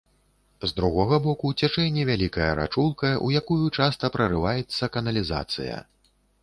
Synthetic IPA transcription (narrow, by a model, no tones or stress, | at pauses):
zd̪ɾuɣɔɣɐbɔkut͡sʲat͡ʂɛnʲːivʲalʲikɐjɐɾa̰t͡ʂulˠkɐʔujakujut͡ʂast̪ɐpɾɐɾɨvajɛt̪sːɐkɐnɐlʲiza̰t̪sɨ̰jɐ̰